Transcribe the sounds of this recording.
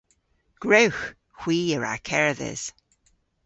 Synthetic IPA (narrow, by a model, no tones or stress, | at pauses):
ɡ̥ɹowx | xw̥iːəɹa̰kʰɛɹðɛ̰z̥